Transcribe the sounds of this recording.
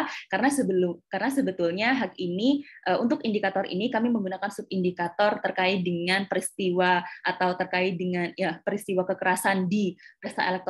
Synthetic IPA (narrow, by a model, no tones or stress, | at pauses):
kaɾənasəbəlʊmkaɾənasəbət̪ulɲaɦakiniʔəʔunt̪ʊkindikat̪ɔrʔḭnikamiməŋɡunakansʊp̚indikat̪ɔrt̪ərkaɪdəŋanpəɾist̪iwaʔat̪awt̪ərkaɪdəŋanjapəɾist̪iwakəkəɾasandipɾəst̪a̰ʔelɛk̚t̪